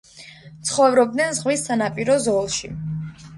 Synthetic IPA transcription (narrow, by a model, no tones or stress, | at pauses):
t̪sʰχɔvɾɔb̚d̪nɛnzʁwisːanapʼiɾɔzɔlˠʃi